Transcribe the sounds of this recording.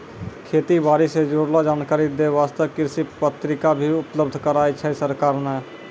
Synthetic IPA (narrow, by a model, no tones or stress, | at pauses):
kʰeːt̪ibaːɾised͡ʒoːɽlad͡ʒaːnkaːɾid̪eʋaːst̪əkɪɾsipət̪ɾɪkabʱiʊpləb̚d̪ʱkəɾaːit͡ʃʰəisəɾkaːɾnɛ